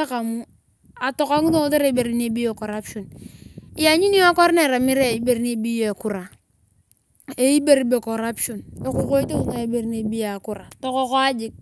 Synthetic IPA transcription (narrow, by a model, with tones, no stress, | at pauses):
a˦ka˨mu˦ | a˨tɔ˨ka˦ŋu˦do˦te˦ɾe˨i˦be˨ɾi˦ne˨˦bi˦je˦˨ko˨ɾa˦pʃɔ˨ni˦ja˨ɲi˦ni˦a˦kʷa˦ɾne˦˨ɾa˨mi˦ɾe˦i˦be˨ɾi˦ne˨˦˨bi˦jo˦e˨ku˦ɾa˨ | e˦i˦be˦ɾi˦be˨ko˨ɾa˦pʃo˨ne˨ku˦ko˦i˦te˦u˦ta˨e˦be˨ɾi˦ne˨bi˦ja˨ku˦ɾa˨tɔ˦kɔ˦ko˦a˦d͡ʒi˦k̚